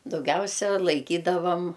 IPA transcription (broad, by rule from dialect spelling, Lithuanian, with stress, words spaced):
dɐʊˈɡʲɛʊsʲɛ lˠɐɪˈkʲiːdɐʋɐm